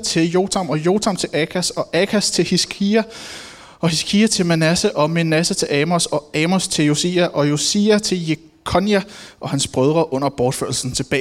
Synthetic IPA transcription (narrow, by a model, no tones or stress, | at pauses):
t͡sʰe̝ljo̝ːt͡sʰæmɒ̽jo̝ːt͡sʰæm̰t͡sʰe̝lʔækʰæsɒ̽ʔæɡʰæst͡sʰe̝lhisɡʰiæ | ʔɒ̽hisɡkʰiːæt͡sʰe̝lmænæsəʔɒ̽menæsət͡sʰe̝lʔɛmosɒ̽ɛːmost͡sʰe̝ljo̝sḭːæʔɒ̽jo̝siæt͡sʰe̝lje | kʰɒ̽njæʔɒ̽hænsb̥ʁœð̞ˠʁɐʔɔ̽n̰ɐb̥ɒːd̥fø̰ɐ̰l̩sn̩t͡sʰe̝b̥ɛ̰ː